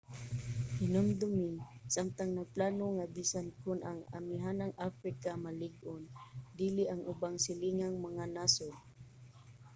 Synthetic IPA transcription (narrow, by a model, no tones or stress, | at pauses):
hɪnʊmd̪ʊmiŋsamt̪aŋnaɡ̚planoŋabisankʊnʔaŋa̰miɦanaŋʔafɾikamalɪɡʔond̪iliʔaŋʊbaŋsɪliŋaŋmaŋanason